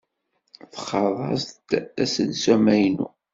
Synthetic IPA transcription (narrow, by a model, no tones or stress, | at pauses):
θχɑðˤɑ̰st̪æsənsæmæjnṵ